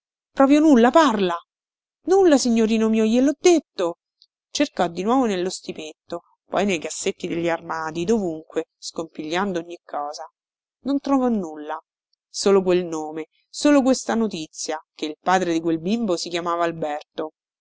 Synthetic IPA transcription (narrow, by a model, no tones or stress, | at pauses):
pɾɔpɾjonulːaparla | nulːasiɲːoɾiːnomiojelɔd̪ːet̪ːo | t͡ʃerkɔd̪ːinwɔːvonelːost̪ipet̪ːo | pɔ̰jnejkasːet̪ːid̪eʎːarmaːt̪id̪ovuŋkweskompiʎːand̪ooɲːikʰːɔːza | nont̪ɾɔvɔnːulːa | soːlokwelnoːme | soːlok̬west̪anot̪it̪sːjakeilpaːd̪ɾed̪ikwelbimbosikjamaːvaːlbɛrt̪o